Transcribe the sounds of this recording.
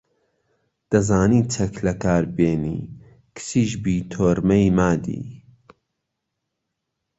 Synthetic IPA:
d̪̥ɐzaːniːt͡ʃʰɐklɐkʰaːɾbeːnḭː | kʰɨ̥siːʃ̬biːt̪ʰoːɾmɐjmaːd̪ḭː

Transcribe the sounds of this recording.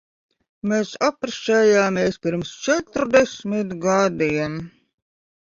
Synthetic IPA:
meːsapɾʃɛːjaːmʲeɛspʲiɾmst͡ʃɛt̪ɾd̪ɛsʲmʲit̪ɡad̪iɛn

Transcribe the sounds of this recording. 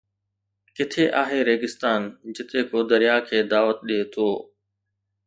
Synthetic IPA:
kɪt̪ʰeːʔaːɦeːɾeːɡɪst̪aːnd͡ʑɪt̪eːkoːd̪əɾɪjaːkʰeːd̪aːʋət̪̚ɗeːt̪ʰoː

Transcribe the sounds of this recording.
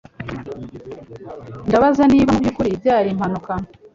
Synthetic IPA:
ndaβazaniːβaubjukuɾibjaːɾim̥hanuka

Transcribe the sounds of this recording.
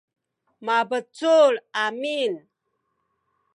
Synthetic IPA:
mabət͡sulamin

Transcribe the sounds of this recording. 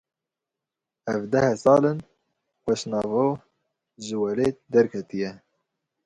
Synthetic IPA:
ɛvd̪ɛhɛsɑːlɨn | xɛʃnɑːvoː | ʒɨwɛleːd̪ɛɾkʰɛt̪ijɛ

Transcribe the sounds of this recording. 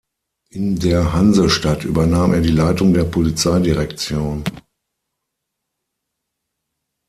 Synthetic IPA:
ʔɪndeːɐɦanzəʃtatʔy̰ːbɐnaːmʔeːɐdiːlaɪtʊŋdeːɐpʰolit͡saɪdiʁɛkt͡sjoːn

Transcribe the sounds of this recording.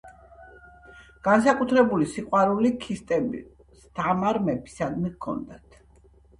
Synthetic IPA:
ɡ̥ansakʼut̪ʰɾɛbulisiqʼwaɾulikʰist̪ʼɛbi | st̪ʰamaɾmɛbi̥sad̪mikʰɔ̰nd̪at̪ʰ

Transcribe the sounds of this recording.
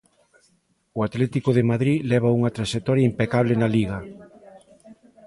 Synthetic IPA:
ʊat̪lɛt̪ikoðemaðɾilɛβ̞auŋɐt̪ɾaʃek̚t̪ɔɾjaimpekaβ̞lenaliɣɐ

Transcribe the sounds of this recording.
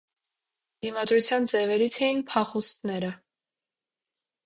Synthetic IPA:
d̪̥imɑd̪ɾut͡sʰjɑnd͡zɛvɛɾit͡sʰɛjinpʰɑχust̪nɛɾə

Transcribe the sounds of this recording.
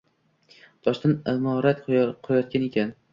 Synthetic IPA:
t̪ʰɒʃt̪anamɒɾat̪qʰʊɾjɒt̪̚kʲanekʲʰan

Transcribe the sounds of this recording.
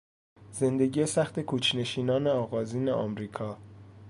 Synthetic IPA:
z̥e̞nd̪e̞ɟiːesæxt̪e̞kʰut͡ʃʰne̞ʃiːnɒːne̞ɒːɣɒːziːnḛʔɒ̰mɾiːkʰɒː

